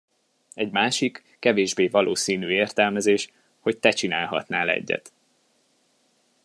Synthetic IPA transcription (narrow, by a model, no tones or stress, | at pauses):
ɛɟmaːʃikːɛveːʒbeːvɒlʔoːsiːnyːeːrt̪ɛlmɛzeːʃ | ho̞c̚t̪ɛt͡ʃinaːlɦɒ̰t̪naːlɛ̰ɟːɛ̰t̪